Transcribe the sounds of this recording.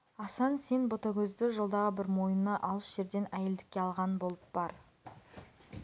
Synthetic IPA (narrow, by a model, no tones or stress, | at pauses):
ɑsɑnse̞nbo̞t̪ɑkʲʰɵzd̪ɪʒo̞lˠd̪ɑʁəbɪɾmo̞jənːɑʔɑlˠəsʒ̥e̞ɾd̪e̞næjeld̪ɪkʲːe̞ɑlˠʁɑnnbo̞lˠəp̚b̥ɑɾ